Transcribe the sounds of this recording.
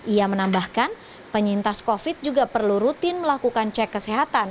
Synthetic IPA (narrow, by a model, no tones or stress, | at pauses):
ʔiamənambahkan | pəɲint̪askofɪt̪̚d͡ʒuɡapərluɾut̪ɪnməlakukant͡ʃɛkːəsɛɦat̪an